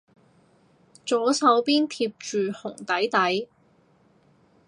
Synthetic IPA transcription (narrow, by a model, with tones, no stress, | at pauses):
t͡ʃɔː˨˥sɐ˨˥wpiː˥nt̪ʰiː˧p̚t͡ʃyː˨hʊ˨˩ŋt̪ɐ˨˥jt̪ɐ˨˥j